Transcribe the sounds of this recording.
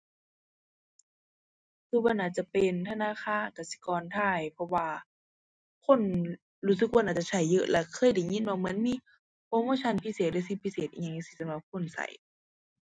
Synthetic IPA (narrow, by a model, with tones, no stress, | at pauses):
kʰɯː˧˩ba˧˥˨nʔaː˧˩t̪̚t͡ɕa˧˨pe˨nt̪ʰa˧naː˧˥˨xʰaː˧˥˨nka˧˩si̥˧˦kɔː˧˨nt̪ʰaː˧˩jpʰɔ˧waː˧ | kʰo˧˥˨n | ɾuː˧˩sɯ˧˦k̚wa˧˥naː˧˩t͡ɕa˧˩sʰa˧˩jːɤ˧ʔlɛ˧˩kʰɤː˧˥˨jda˨˩jŋi˧˥˨nmɛ˧˩mɯ˧˦ə˨nmiː˧˥˨ | ʔoː˧˥˨moː˧˥˨t͡ɕʰa˧˨npʰi˧˥˨seː˨t̪̚dɤː˧˨si˧˦pʰi˧˥seː˨˩t̪̚ʔiː˧˨ŋɲa˧ŋɲ˧˨si˧˩sa˧mla˧˦p̚kʰo˧˥˨nsa̰˨˦j